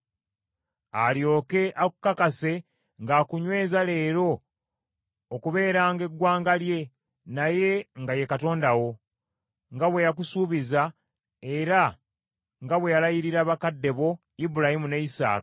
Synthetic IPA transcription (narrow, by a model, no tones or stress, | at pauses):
aljo̞ːke̞ʔakukːakase̞ | ŋɡaːkuɲwe̞ːzale̞ːɾo̞ | kuβe̞ːɾaːŋɡe̞ɡwaːŋɡalje̞ | naje̞ŋɡaje̞kato̞ːndawo̞ | ŋɡaβwe̞jak̬usuːβiza | eɾa | ŋɡaβwe̞jalajiɾiɾaβakadːe̞βo̞ | ibuɾahimuneisa̰ːka